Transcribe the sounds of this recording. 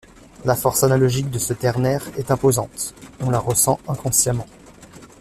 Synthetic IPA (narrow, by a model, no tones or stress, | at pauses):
lafɔʁsanalɔʒik̚d̪əsət̪ɛʁnɛʁɛt̪ɛ̃pozɑ̃t̪ɔ̃laʁəsɑ̃ɛ̃kɔ̃sjamɑ̃